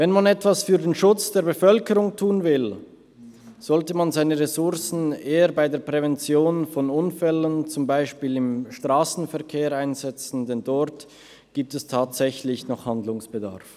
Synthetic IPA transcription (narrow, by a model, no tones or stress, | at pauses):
vɛnmanɛtv̥asfyːɐdeːnʃʊt͡sd̥eːɐʁbəfœlkəʁʊŋtʰuːnvɪl | z̥ɔltəmanzaɪnəʁesʊʁsn̩eːəɾbaɪdeːɐpʁ̥ɛvɛnt͡sjoːnfɔnʊnfɛlənt͡sʊmbaɪʃpiːlɪmʃtʁ̥aːsn̩fɛʁkʰeːʁaɪnzɛt͡sn̩dɛndɔʁt | ɡ̥iːp̚tɛstʰaːtz̥ɛçlɪçnɔχhandlʊŋsb̥əda̰ɐf